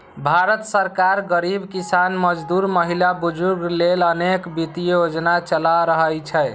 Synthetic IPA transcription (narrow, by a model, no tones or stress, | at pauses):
bʱaɾət̪səɾkaɾɡəɾibkisanməd͡ʒd̪uɾməɦilabud͡ʒuɾɡlelənekbit̪ijod͡ʒnat͡ʃəlaɾəɦəlt͡ʃʰəj